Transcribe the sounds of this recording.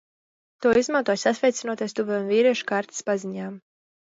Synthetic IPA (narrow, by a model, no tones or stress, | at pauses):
t̪uɔizmant̪uɔjsasvʲɛjt̪sinuɔt̪ajst̪uvɛmviːɾiɛʃu̥kaɾt̪i̥spaziɲaːm